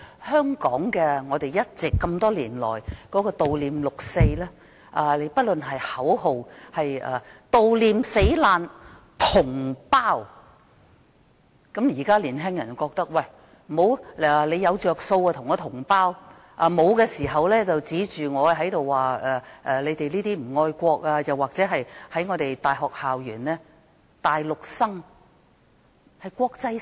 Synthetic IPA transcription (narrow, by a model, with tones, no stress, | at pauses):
hœː˥ŋkɔː˨˥ŋkɛː˧ŋɔː˨˧t̪e˨jjɐ˥t̚t͡sɪ˨kːɐ˧mt̪ɔː˥liː˨˩nlɔ̰ː˨˩jkɔː˨˥kɔː˧t̪o˨wliː˨˧mlʊ˨k̚se˧jlɛː˥ | ʔaː˨˩le˨˧jpɐ˥t̚lɵ˨nɦɐ˨jhɐ˨˥who˨whɐ˨jʔɐ̰ː˨˩t̪o˨wliː˨˧mse˨˥jlaː˨˧n | t̪ʰʊ˨˩ŋpaː˥w | kɐ˨˥mjiː˨˩kaː˥liː˨˩nt̪ɛː˥ŋjɐ˨˩n˨˩wkɔː˧k̚t̪ɐ˥k̚wɐ˨j | m̩˨ho˨˧wɛ˨le˨˧jɐ˨˧wt͡ʃœː˨˩k̚so˧waː˧t̪ʰʊ˨˩ŋːɔː˨˧t̪ʰʊ˨˩ŋpaː˥w | ʔɐ˨˧mo˨˧wkɛː˧siː˨˩ɦɐ˨wlɛː˥t͡sɐ˨wt͡siː˨˥t͡ʃyː˨ŋɔː˨˧ɦɐ˨˥jt̪o˨wːaː˨ʔɛː˨ʔɛː˨le˨˧jt̪e˨jliː˥t̪iː˥m̩˨˩ŋɔː˧jkʷɔː˧k̚aː˧jɐ˨˩waː˨˩k̚t͡sɛː˨˥ɦɐ˨jhɐ˨˥jŋɔː˨˧t̪e˨jt̪aː˨jɦɔː˨k̚haː˨wjyː˨˩nlɛː˥ | t̪aː˨jlʊ˨k̚sɐ˥ŋ | hɐ˨jkʷɔː˧k̚t͡sɐ˧˥